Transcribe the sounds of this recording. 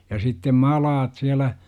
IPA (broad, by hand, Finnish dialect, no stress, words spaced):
jɑ sitːem mɑlɑːt siælæ